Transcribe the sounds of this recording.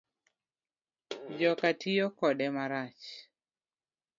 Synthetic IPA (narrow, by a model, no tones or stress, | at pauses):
d͡ʒɔkatʰijokɔdɛmaɾat͡ʃ